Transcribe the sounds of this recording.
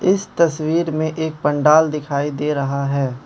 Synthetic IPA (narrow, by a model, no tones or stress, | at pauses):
ɪst̪ɐswiːɾmẽʔeːk̚pɐ̃ɳɖaːld̪ɪkʰaːid̪eːɾɐɦaɦɛː